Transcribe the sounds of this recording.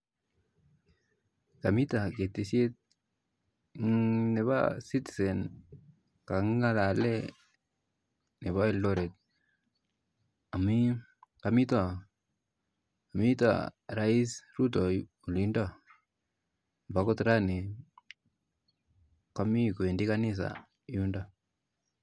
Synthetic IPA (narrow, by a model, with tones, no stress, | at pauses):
ka˨mi˦ta˨ke˨tːi˨sje˦t̚ | ne˨βa̰˦si˦tsɛ˨n | ka˨ŋŋa˦la˨lɛ | ne˨βa˦ɛ˦ldɔ˦ɾe˨t̚ | a˨mi | kami˦ta˦˨ | mi˦ta̰ɾa˦i˦sru˦tɔ˨ | u˨linda˦ | mba˦kɔ˦tɾa˦ni˨ | ka˦mi˦ko˨e˨ndikanɪs̬a̰ | junda˦